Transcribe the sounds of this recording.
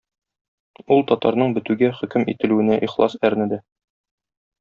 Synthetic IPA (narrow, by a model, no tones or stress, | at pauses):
ulˠt̪ɒt̪ɑɾnɤɴbɘ̆t̪ʉɡæχɵ̆kɘmit̪ɘ̆lʉwɘ̆næʔiχlˠɑ̰sæɾnɘ̆d̪æ